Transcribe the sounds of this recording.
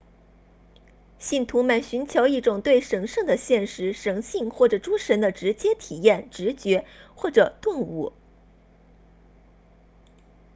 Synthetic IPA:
ɕi˥˩nt̪ʰu˧˥mə˥˩nɕy˧˥nt͡ɕʰjo˧˥ʊi˥˩ʈ͡ʂʊ˨˩ŋt̪we˥˩ɪʂɤ˧˥ŋʂɤ˥˩ŋd̪ə˩ɕjɛ˥˩nʂɻ̩˧˥ʂɤ˧˥ŋɕi˥˧ŋxwɔ˥˩ʈ͡ʂɤ˨˩ʈ͡ʂu˥ʂə˧˥nd̪ə˧ʈ͡ʂɻ̩˧˥t͡ɕjɛ˥t̪ʰi˨˩jɛ˥˩nʈ͡ʂɻ̩˧˥t͡ɕɥɛ˧˥xwɔ˥˩ʈ͡ʂɤ˨˩t̪ʊ˥˧ŋu˥˩

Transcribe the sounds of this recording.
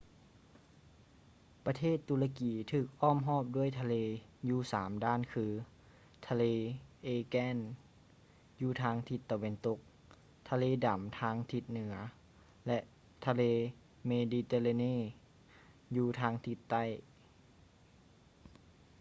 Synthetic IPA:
pa˧t̪ʰeː˥˩t̪ːu˧la˧kiː˨˦t̪ʰɯː˧˩k̚ʔɔː˥˩˨mɦɔː˥˩p̚du˥˩ə˨jt̪ʰa˧leː˧juː˧saː˨˩˦mdaː˥˩˨nkʰɯː˧ | t̪ʰa˧leː˧ʔeː˧kɛː˥˨n | juː˧t̪ʰaː˧˥ŋt̪ʰi˧˦t̪ːa˨we˧nt̪o˧˦k̚ | t̪ʰa˧leː˧da˩˦mt̪ʰaː˧˥ŋt̪ʰi˧˦t̪̚nɯ˩˦ɐ | lɛ˧ʔ | t̪ʰa˧leː˧ | meː˧diː˧t̪eː˧la˧neː˥˨ | juː˧t̪ʰaː˧˥ŋt̪ʰi˧˥t̪ːa˥˩˨j

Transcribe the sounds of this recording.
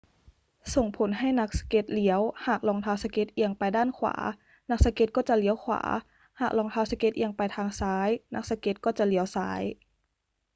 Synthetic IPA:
so˨˩ŋpʰo˩˦nɦa˥˩jna˦˥k̚sḁ˧ke˦˥t̪̚li˩˦əwhaː˨˩k̚lɔː˧ŋt̪ʰaː˧˥wsa˧ke˦˥t̪̚ʔi˧əŋpa˧jdaː˥˩nkʰwa̰ː˩˦ | na˦˥k̚sa˧ke˧˥t̪̚kɔː˥˩t͡ɕa˨˩li˩˦əwkʰwa̰ː˩˦ | haː˨˩k̚lɔː˧ŋt̪ʰaː˧˥wsa˧ke˦˥t̪̚ʔi˧əŋpa˧jt̪ʰaː˧ŋsaː˦˥jna˦˥k̚sa˧ke˧˦˥t̪̚kɔː˥˩t͡ɕa˨˩li˩˦əwsa̰ː˦˥j

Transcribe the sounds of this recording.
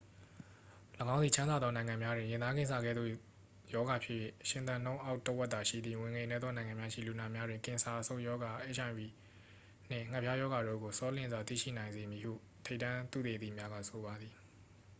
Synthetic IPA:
ləɡã˦ʊ̃nði˨ã˦nza˨d̪ðɔ˦nã˨ɪ̃ŋã˨mja˦dwɪ̃˨jɪ̃˨d̪ða˦ɡɪ̃˦˨nsʰa˨ɡɛ̰˦˨d̪ðo̰˦˨ | jɔ˦ɡa˨pʰɪ˦ʔjɛ̰˦˨ʃɪ̃˨t̪ã˨nõ˦ʊ̃ʔa˦ʊtːə˦wɛ˦t̪̚t̪a˨ʃḭ˦˨d̪ði˦˨wɪ̃˨ŋe˨nɛ˦d̪ðɔ˦nã˨ɪ̃ŋã˨mja˦ʃḭ˦˨lu˨na˨mja˦dwɪ̃˨ŋkɪ̃˨sa˨ʔəsõ˦˨jɔ˦ɡa˨ʔe˦˨ʃʰã˨wi˨ | n̥ɪ̰̃˦˨ŋ̥ɛ˦pʰja˦jɔ˦ɡa˨ɾo̰˦˨ɡo˨sɔ˦lɪ̰̃˨zwa˨t̪ḭ˦˨ʃḭ˦˨nã˨ɪ̃nze˨mji˨hṵ˦˨ | tʰe˦tːã˦t̪ṵ˦˨t̪e˨ḭ˦˨mja˦ɡa̰˦˨sʰo˨βa˨d̪ði˨

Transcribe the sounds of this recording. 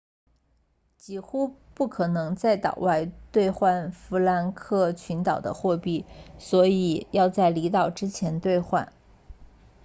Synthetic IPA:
t͡ɕi˥˩xu˥pu˥˩kʰɤ˨˩nɤ˧˥ŋt͡sa˥˩ɪt̪ɑ̰˨˩ʊwa˥˧ɪt̪we˥˧ɪxwa˥˩nfu˧˥la˧˥nkʰɤ˥˩t͡ɕʰy˧˥nt̪ɑ˨˩ʊd̪ə̰˦xwɔ˥˧pi˥˩swɔ˧˥i˨˩jɑ˥˧ʊt͡sa˥˩ɪli˧˥t̪ɑ˨˩ʊʈ͡ʂɻ̩˥t͡ɕʰjɛ˧˥nt̪we˥˧ɪxwa̰˥˩n

